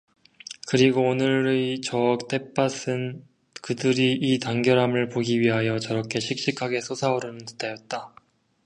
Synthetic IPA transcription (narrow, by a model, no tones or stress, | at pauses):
kɯɾiɡoːnɯɾet͡ɕʌk̚t͈ʰe̞p͈ʰasʰɯn | kɯdɯɾiːtaŋɡjʌɾɦamɯɭpoɡiɥiɦajʌt͡ɕʌɾʌkʰe̞ɕʰik̚ɕ͈ikʰaɡe̞sʰosʰaoɾonɯntɯ̥tajʌt̚t͈a